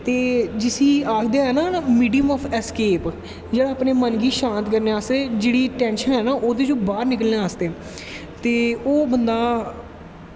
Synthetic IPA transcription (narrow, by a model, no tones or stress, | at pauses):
t̪eːd͡ʒɪsiːaːkʰd̪eɦɛːnaːmiːɖijəmɔːpʰɛskeːp | d͡ʒeːɽaːpneːmənɡiːʃãːnt̪kəɾneːaːsd̪eːd͡ʒeːɽiːʈɛ̃ːnʃənɦɛːnaːʔoːd̪eːd͡ʒõːbaːɾnɪkəlneaːsd̪eː | t̪eːoːbənd̪aː